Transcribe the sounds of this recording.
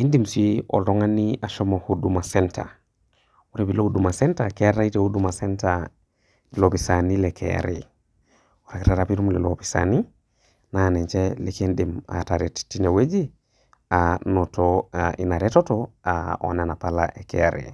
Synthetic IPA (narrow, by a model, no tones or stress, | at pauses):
indimsio̰toŋaniaʃomohudumasentʰa̰ | uɾebiloudumasɛntakeɾaitehudumasenta | lopisanilekʰḛa̰ɾḭ | oɾakiɾaɾapiɾumlelopi̥sa̰ni | naneɲt͡ʃelekendima̰taɾettːinewed͡ʒi | anotoainaɾetotoao̰nenapala̰ʔekḛa̰ɾḛ